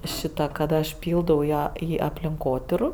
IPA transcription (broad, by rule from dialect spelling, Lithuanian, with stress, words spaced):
ˈʃʲɪtɐ kɐt ˈɐʃ ˈpʲiːlˠdɐʊ iː ˈɐ ˈiː ɐpʲlʲɪŋˈkoːtʲiːrʊ